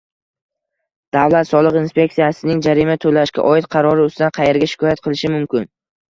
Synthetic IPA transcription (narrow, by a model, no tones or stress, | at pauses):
d̪̥avlat̪sɒlˠɨqinspʲe̞k̚t̪ijasɪnɪŋd͡ʒaɾimat̪ʰolaʃkʲa̰ʔɒɪt̪̚qʰɑɾɒɾɪʊsd̪anqʰɑje̞ɾɡʲaʃɪ̥kʰɒjat̪̚qʰɨlˠɪʃɪmʊmkʲɪn